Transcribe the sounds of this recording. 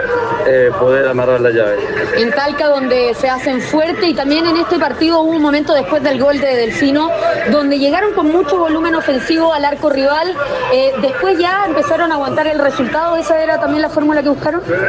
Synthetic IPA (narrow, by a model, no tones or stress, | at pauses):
epoðeɾamaraɾlaʝaβesent̪alkaðo̞nd̪esease̞ɱfweɾt̪eit̪ambje̞nene̞st̪epaɾt̪iðo̞uβomoment̪oðe̞spwe̞zðe̞lɣo̞ld̪eðelfino̞d̪o̞nd̪eʝe̞ɣaɾo̞ŋko̞nmut͡ʃoβo̞lume̞no̞fe̞nsiβoalaɾko̞riβaled̪e̞spwe̞zʝaempe̞saɾonaːɣwant̪aɾelresult̪aðoesaeɾat̪ambje̞nlafo̞ɾmulakeβuhkaɾo̞nn